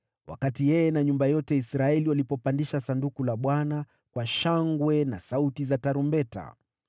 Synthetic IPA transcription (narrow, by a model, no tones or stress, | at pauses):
wʔa̰katijɛjɛnaɲumbajɔtɛisɾaɛliwalipɔpandiʃasandukulaɓwana | kwaʃaŋɡwɛna̰sautizataɾumbɛta̰